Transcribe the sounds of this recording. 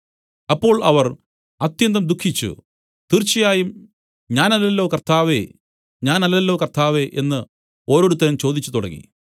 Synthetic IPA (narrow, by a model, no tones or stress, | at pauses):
ɐpːo̞ːɭɐʋɐr | ɐt̪jɐnd̪ɐmd̪ukʰːit͡ɕːṵ | t̪irt͡ɕːɐjaːjum | ɲaːnɐlːɐlːo̞ːkɐrt̪ʰaːʋe | ɲaːnɐlːɐlːo̞ːkɐrt̪ʰaːʋeʔenːɨ | o̞ːɾo̞ːɽut̪ːɐnɐmt͡ɕo̞ːd̪it͡ɕːut̪uɽɐ̰ŋḭ